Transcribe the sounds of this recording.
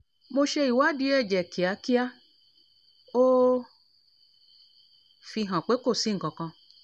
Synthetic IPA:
mo˧ʃe˧i˨wa˦di˧˦ɛ˦˨d͡ʒɛ˨ki˨a˨˧˦ki˦a˦ | o˦ | fi˧ɦã˨k͡pe˨˦ko˦˨sĩ˨˦ŋ̩˨kɔ̃˨kɔ̃˧

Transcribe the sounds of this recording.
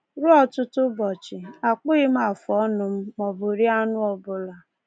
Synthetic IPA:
ɾʊ˦ɔ˦tʊ˦tʊ˦bɔ˨t͡ʃɪ˨a˨k͡pʊ˦ɣɪ˦m̩˦a˨fɔ˦nʊ˨m̩˦mɔ˨bʊ˨ɾi˦a˦nʊ˦ɔ˨bʊ˦la˨

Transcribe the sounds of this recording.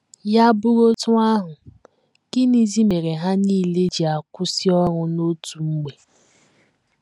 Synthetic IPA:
ja˦bʊ˦ɾo˦tʊ˦a˦ɦʊ˨ | kɪ˦ni˨zi˦me˨ɾe˨ɦa˦niː˦˨le˦d͡ʒi˨a˨kʷʊ˦si˦ɔ˦ɾʊ˨no˦tu˨ŋ͡m̩˦ɡ͡be˨

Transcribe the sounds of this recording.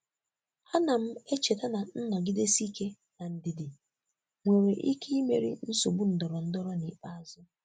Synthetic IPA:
a˦na˨m̩˦e˦t͡ʃe˨ta˦na˨n̩˦nɔ˨ɡɪ˦de˦si˦ke˦ | na˨n̩˨dɪ˨dɪ˨ | ŋʷe˨ɾe˨ʔi˦ke˦i˦me˨ɾḭ˦n̩˦so˨bu˦n̩˨dɔ˨ɾɔ˨n̩˦dɔ˦ɾɔ˦ni˨k͡pa˦a˨zʊ˦

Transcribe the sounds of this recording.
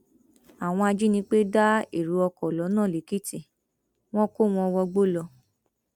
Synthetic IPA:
a˨w̃ɔ̃˧a˧d͡ʒi˦nĩ˦k͡pe˦da˦i˦˨ɾu˨˧˦ɔ˧kɔ˨lɔ˨˦nãː˦˨li˨˦ki˦˨ti˦˨ | w̃ɔ̃˦ko˦˨w̃ɔ̃˧ɔ˧wɔ˧ɡ͡bo˦˨lɔ˧

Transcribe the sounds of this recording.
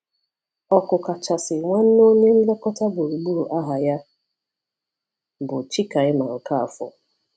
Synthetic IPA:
ɔ˨kʊ˨ka˨t͡ʃa˨sɪ˨ŋʷa˦n̩˦no˦ɲe˦n̩˦le˦kɔ˦ta˦bʊ˨ɾu˨ɡ͡bu˦˨u˨ʔa˦ɦa˨ja˦ | bʊ˨t͡ʃi˦ka˨ɪ˦ma˨ŋ̩˨ka˦a˨fɔ̰˨

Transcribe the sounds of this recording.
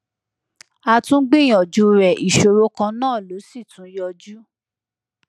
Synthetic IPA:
a˧tũ˦ɡ͡bĩ˦˨j̃ɔ̃˨d͡ʒu˧ɾɛ˨ʔi˨ʃo˧ɾo˦kã˧nãː˦˨lo˨˦si˦˨tũ˨˦jɔ˧d͡ʒu˦

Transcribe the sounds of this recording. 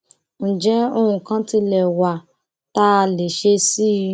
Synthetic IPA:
n̩˨d͡ʒɛ˨˦o˦hũ˧kã˦ti˧lɛ˨wa˨ | ta˦˧le˨ʃe˧si˦˧

